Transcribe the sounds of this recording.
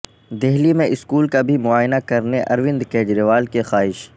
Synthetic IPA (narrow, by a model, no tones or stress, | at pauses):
d̪eɦlimẽʔɪskuːlkabʱimʊaːjnakɐɾneʔɐɾʋɪ̃nd̪keːd͡ʒɾeʋaːlkexaːɦɪʃ